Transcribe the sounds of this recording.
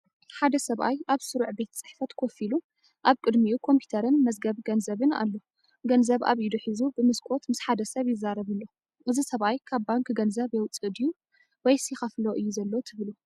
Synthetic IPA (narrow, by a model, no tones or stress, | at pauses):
ħad̪ɐsɐβajʔaβsɨɾuʕbe̞t̪ʰɐ̥sʼɨ̥ħfɐt̪kʰofilu | ʔaβkʼɨd̪mijukʰo̞mpʰju̥t̪ʰɐɾɨnmɐzɡɐβɡɐnzɐβɨna̰lːo̞ | ɡɐnzɐβʔa̰βid̪ɨħɨzubɨmɨskʼo̞t̪mɨsħad̪ɐsɐβjɪzːaɾɐβɨlːo | ʔɨzisɐβajkʰaβbaŋkʰɡɐnzɐβjɛwt͡sʼɨd̪ɨju | wɔjsixɐfloʔɨjːuzɐlːot̪ʰɨβlu